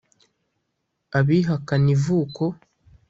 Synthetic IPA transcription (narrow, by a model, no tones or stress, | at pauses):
aβiːɦakanivuːko